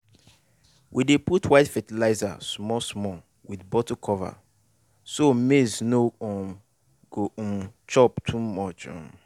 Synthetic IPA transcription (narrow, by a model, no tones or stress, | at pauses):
wʔideputʰwaɪtfɛtilaɪza̰smɔsmɔ | wiθbɔtokʰɔva̰ | somesnoɔ̃ | ɡ̥oɔ̃mt͡ʃɔptʰumɔt͡ʃɔ̰̃